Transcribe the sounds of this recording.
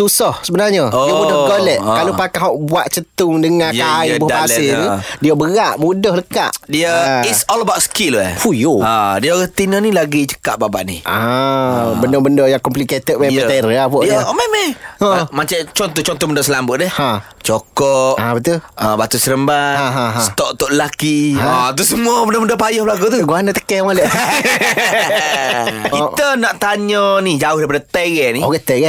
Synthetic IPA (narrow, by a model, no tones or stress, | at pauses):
t̪usɔhsəbənarɲədiəmudɔhɡolɛʔkalopakaɦɔʔbuaʔt͡ʃət̪ʊŋdəŋãjaibɔhdbait̪udiəbəɣaʔmudɔhləka̰ʔdiəisɔləbawtskiləfujoadiəoɣəht̪inənilaɡit͡ʃə̥kaʔbabaʔniʔa | bəndɔbəndɔjaŋkɔmpliket̪ət̚mejət̪eɾəapɔʔiəmemɛomat͡ʃat͡ʃɔnt̪ɔt͡ʃɔnt̪ɔbəndosəlambʊʔ̪̚dɛhhã | t͡ʃokɔʔabət̪uəbat̪usəɾəmbaãɦãɦast̪ɔʔt̪ɔʔəlakiat̪̬usəmuəbəndəbəndəpajɔhbəlaɡut̪uɡuanət̪ə̥kɛmalɛʔ | iənaʔt̪aɲənid͡ʒaʊhdaɾipadat̪əɡɛniɔɡɛt̪əɡɛ